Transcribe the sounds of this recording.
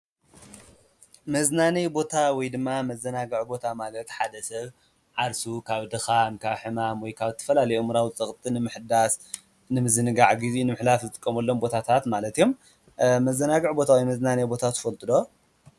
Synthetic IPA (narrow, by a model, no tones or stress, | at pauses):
mɐznanɐjbo̞t̪ʰawɔjd̪ɨmːamɐzːɐnaɡɨʕbo̞t̪ʰamalɐt̪ħad̪ɐsɐβ | ʕaɾsukʰaβd̪ɨxankʰaβħɨmamwɔjkʰaβzɨt̪ʰɐ̥fɐlalɐjomɨɾawzɨt͡sʼɐχʼt̪ʼɨnɨmɨħd̪as | nɨmɨzɨnɨɡaʕɡizinɨmɨħlafzɨt̪ʼɨkʼːɐmɐlːo̞mbo̞t̪ʰat̪ʰat̪malɐt̪ijo̞m | mɐzːɐnaɡɨʕbo̞t̪ʰawɔjmɐznanɐjbo̞t̪ʰat̪ʰːɨ̥fɐlt̪ʼɨd̪o